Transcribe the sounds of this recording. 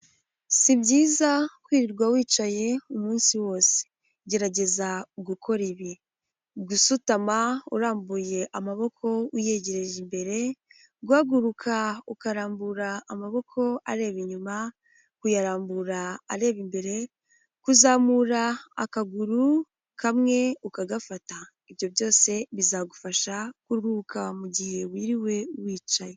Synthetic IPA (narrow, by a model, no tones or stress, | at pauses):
sibɟiːzakwiːɾiɾɡwawiːt͡ʃaje̞umuːnsiwo̞ːse̥ | ɟe̞ɾaɟe̞zaɡukʰo̞ɾiβi | ɡusutamauɾaːmbuje̞ʔamaβo̞kʰo̞uje̞ːɟe̞ɾe̞ʒimbe̞ɾe̞ | ɡwaːɡuɾukʰaukaɾaːmbuɾaːmaβo̞kʰo̞a̰ɾe̞ːβiɲuma | kujaɾaːmbuɾaːɾe̞ːβimbe̞ɾe̞ | kuzaːmuɾaːkaɡuɾu | kʰamŋe̞ukaɡafata | iβjo̞βjo̞ːse̞βizaɡufaʃakuɾukamuɟihe̞wiːɾiwe̞wiːt͡ʃaje